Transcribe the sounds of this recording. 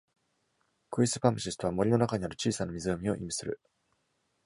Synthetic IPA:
kɯ̟isɨpamɯɕist̪o̞β̞amo̞ɾʲino̞nakaɲ̟iaɾɯ̟t͡ɕiːsanamʲizɨomʲio̞̰ʔimʲisɨɾɯ̟

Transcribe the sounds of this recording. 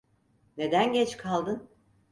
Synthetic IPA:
ne̞d̪ænɟɛt͡ʃkʰalˠd̪ɯn

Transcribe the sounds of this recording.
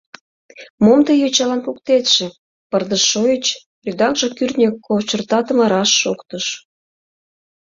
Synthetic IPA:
momt̪əjot͡ɕɑlɑnkuk̚t̪et̪ʃĕ | pərd̪əʃːojət͡ɕ | rʲyd̪ɑkʒɤ̆kyrt̪nʲekːot͡ɕərt̪ɑt̪əmə̆ɾɑʃːokt̪əʃ

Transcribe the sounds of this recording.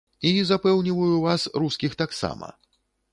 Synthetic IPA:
izapɛwnʲivɐjuvasɾuskʲixt̪aksa̰mɐ̰

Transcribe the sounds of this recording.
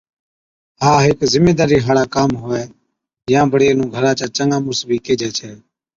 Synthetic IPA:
ɦaːɦɪkzɪmeːd̪aːɾiːɦaːɽaːkaːmɦoːɛː | jãːbəɽeːnũːɡʱəɾãːt͡ʃaːt͡ʃəŋɡãːmʊsbiːkeːd͡ʒɛːt͡ʃʰɛː

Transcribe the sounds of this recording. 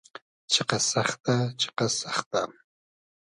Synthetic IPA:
t͡ʃeqɑsɑχt̪at͡ʃʰe̥qɑsɑχt̪a

